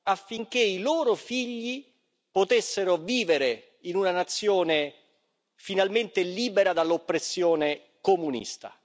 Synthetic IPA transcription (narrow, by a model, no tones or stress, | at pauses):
afːiŋk̟eiloːɾofiʎːi | pot̪esːeɾoviːveɾe | inunanat̪sːjoːne | finalment̪eliːbeɾad̪alːopːɾesːjoːne | komunḭst̪a̰